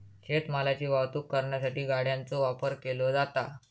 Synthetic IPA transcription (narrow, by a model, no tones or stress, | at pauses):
ɕet̪məlat͡ɕiːʋaʋt̪uːkːəɾɳjas̬aʈiːɡaɽjant͡soʋapəɾkelod͡zat̪a